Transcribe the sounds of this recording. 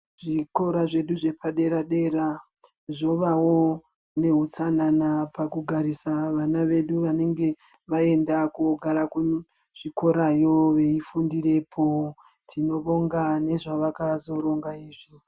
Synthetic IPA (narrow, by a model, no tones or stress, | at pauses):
ʐiko̞ɾaʐe̞ɗuʐe̞pʰaɗe̞ɾaɗe̞ːɾa | ʐo̞ʋawo̞ | ne̞ɦut͡sananapakuɡʱaɾisaʋanaʋe̞ɗuʋane̞ŋɡe̞ | ʋae̞ndakuɡʱaɾaku | ʐ̥iko̞ɾajo̞ʋe̞ifundire̞pʰo̞ | tʰino̞ɓo̞ŋɡane̞ʐaʋakazo̞ɾo̞ŋɡaiːʐi